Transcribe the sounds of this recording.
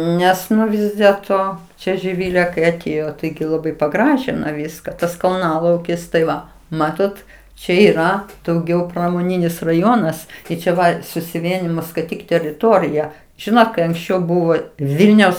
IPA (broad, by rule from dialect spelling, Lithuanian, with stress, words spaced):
ˈnʲɛs ˈnʊ ˈʋʲɪs dʲeːlˠˈtoː t͡ʃʲɛ ʒʲɪˈʋʲɪlʲeː kɐɪ ɐˈtʲeːjoː ˈtɐɪɡʲɪ lˠɐˈbɐɪ pɐˈɡrɑːʒʲɪnoː ˈʋʲiːskɐ ˈtɐs kɐlˠˈnɑːlˠɐʊkʲɪs tɐɪ ˈʋɐ ˈmɑːtoːt ˈt͡ʃʲɛ iːˈrɐ dɐʊˈɡʲɛʊ prɐmoːˈnʲɪnʲɪs rɐˈjoːnɐs ˈtɐɪ t͡ʃʲɛ ˈʋɐ sʊsʲɪˈʋʲiɛnʲɪjɪmoː skɐɪˈtʲiːk tʲɛrʲɪˈtoːrʲɪjɛ ˈʒʲɪnoːt kɐɪ ɐŋksʲˈt͡ʃʲɛʊ ˈbʊʋoː ˈʋʲɪlʲnʲɛʊs